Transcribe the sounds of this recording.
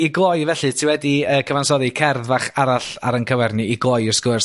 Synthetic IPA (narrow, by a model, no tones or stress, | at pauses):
iɡoːjvɛɬɨtʰɪwɛdiəːkʰəvansɔðɨkʰɛrðvaχaɾaɬa̰ɾənkʰəwɛrnɨiɡoːjɪrskʊrs